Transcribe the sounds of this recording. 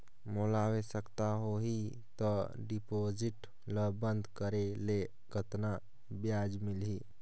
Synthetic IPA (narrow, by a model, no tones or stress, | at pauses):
molawesəkt̪aɦoɦi | t̪ɔ | ɖipod͡ʒiʈ | ləbənd̪ʱkəɾele | ɡʱət̪na | bjad͡ʒmilɦi